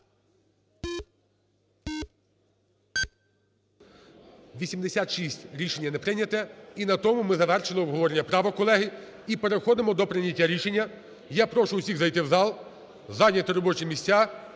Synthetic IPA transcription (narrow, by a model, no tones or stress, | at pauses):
ʋʲisʲimd̪esʲat̪ʃisʲtʲɾʲiʃenʲːɐnɛpɾɪnʲɐt̪ɛinɐt̪ɔmʊmɪzɐʋɛrʃɪlˠɪɔbɦɔʋɔɾenʲːɐpɾɑʋɐkɔlˠɛɦɪipeɾexɔd̪ɪmɔd̪ɔpɾɪnʲɐtʲːaɾʲiʃenʲːɐ | japɾɔʃʊwsʲiɣzɐjt̪ɪwzɑlˠ | zɑjnʲɐt̪ɪɾɔbɔt͡ʃɪmʲisʲtʲa